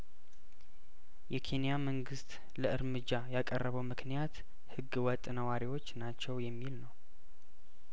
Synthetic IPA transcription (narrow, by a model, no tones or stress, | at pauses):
jɛkʰe̞nijaməŋɡɨst̪ʼ | ləɨɾmɨd͡ʒːajakʼərːəβəwmɨknijat̪ | hɨɡːwɔt̪ʼːnəwaɾiwo̞t͡ʃːnat͡ʃːɛwjɛmːilnəw